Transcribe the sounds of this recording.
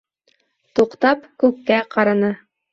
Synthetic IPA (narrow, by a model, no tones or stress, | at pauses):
t̪uqt̪ɑpkʉkːæqɑɾɑnɤ